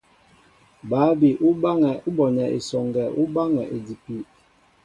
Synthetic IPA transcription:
baː˨˦bi˨ʔu˦ba˦ŋɛ˨u˦bɔ˨nɛ˨ʔḛ˨sɔ˨ŋɡɛ˨ʔu˦ba˦ŋɛ˨ʔe˨di˨pi˦

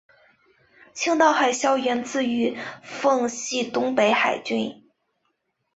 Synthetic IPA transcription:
t͡ɕʰi˥ŋt̪ɑ˥˧ʊxa˥˩ɪɕjɑ˥ʊɥɛ˧˥nt͡sɹ̩˥˩y˧˥fɤ˥˧ŋɕi˥˩t̪ʊ˥ŋpe˧˥ɪxa˨˩ɪt͡ɕy˥˩n

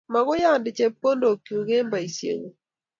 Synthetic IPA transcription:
ma˨ɡʊ˦ja˦˨ndɪ˨t͡ʃɛ˦pːo˦ndo˨ki˨u˨ɡe˦mba˨i˨sjḛ˨ŋo˨

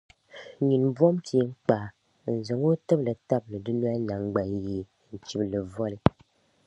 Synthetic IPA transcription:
ɲi˨nbɔ˦mtʰi˨e˦ŋ͡m̩˦k͡paː˨ | n̩˨zɨ˨ŋo˦tɨ˦blɨ˨ta˦blɨ˨dɨ˦n˦a˦na˨ŋ˦ɡ͡ba˨˦je˦ | n̩˨t͡ʃi˦blɨ˨vɔ˦lɨ˦

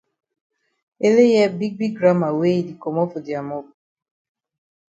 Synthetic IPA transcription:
e˦le˦jɛ˦bi˦ɡ̚bi˦ɡɡɾa˦ma˨we˦i˨di˨kɔ˨mɔ˦fo˨di˨a˨mɔ˦b

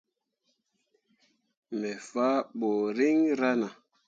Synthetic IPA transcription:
mɛ˨fa˦ɓo˨ɾi˦ŋɾa˦na˨

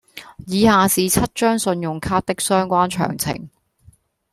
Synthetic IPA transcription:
jiː˨˧haː˨˧siː˨t͡sʰɐ˥t̚t͡ʃœː˥ŋsɵ˧njʊ˨ŋkʰaː˥t̚t̪ɪ˥k̚sœː˥ŋkʷaː˥nt͡ʃʰœ̰ː˨˩ŋt͡sʰɪ̰˨˩ŋ

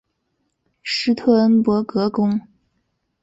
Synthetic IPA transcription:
ʂɻ̩˥t̪ʰɤ˥˩ə˥npwɔ˧˥kɤ˧˥kʊ˥ŋ

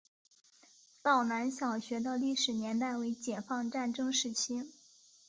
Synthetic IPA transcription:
t̪ɑ˥˩ʊna˧˥nɕjɑ˨˩ʊɕɥɛ˧˥d̪ə˧li˥˩ʂɻ̩˨˩njɛ˧˥nt̪a˥˩ɪwe˧˥ɪt͡ɕjɛ˨˩fɑ˥˧ŋʈ͡ʂa˥˩nʈ͡ʂɤ˥ŋʂɻ̩˥˩t͡ɕʰi˥

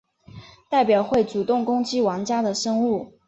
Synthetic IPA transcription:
t̪a˥˩ɪpjɑ˨˩ʊxwe˥˩ɪt͡su˨˩t̪ʊ˥˩ŋkʊ˥ŋt͡ɕi˥wɑ˧˥ŋt͡ɕja˥d̪ə˨ʂɤ˥ŋu˥˩

